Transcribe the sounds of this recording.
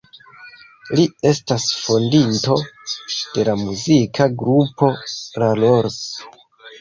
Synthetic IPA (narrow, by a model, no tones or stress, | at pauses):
lie̞stasfo̞ndinto̞d̥e̞lamuzikʰaɡɾupo̞ɾaloɾs